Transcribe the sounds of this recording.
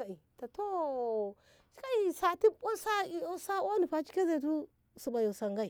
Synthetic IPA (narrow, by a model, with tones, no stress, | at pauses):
a˨i˨ta˨to˦ | t͡ʃi˦ka˦i˦sa˨ti˦o˦sa˦i˨o˦sa˦wo˦ni˨pa˨t͡ʃi̥˦ke˦ze˨t̬u˦ | su˨ba˨jo˨sa˨ŋɡa˦i˨